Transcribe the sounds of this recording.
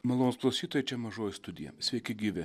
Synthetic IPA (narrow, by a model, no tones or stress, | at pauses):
mɐlˠoːnosplˠɐʊsʲiːt̪oːjɛt͡ʃʲɛmɐʒoːjɪst̪ʊd̪ʲɪjɛ̰sʲʋʲɛɪkʲɪɡʲiːʋʲɪ